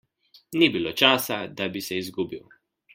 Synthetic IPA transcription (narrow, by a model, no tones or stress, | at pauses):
nibiloːt͡ʃaːsad̪abisɛizɡuːbiw